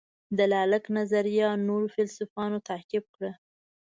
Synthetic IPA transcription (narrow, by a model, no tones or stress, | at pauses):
d̪əlalaknazaɾjɑnoɾofɪlsʊfɑnot̪akɪb̚kɽə